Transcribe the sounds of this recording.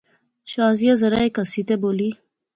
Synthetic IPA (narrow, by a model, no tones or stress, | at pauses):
ɕɑːzijazɐɾaekasit̪eboːli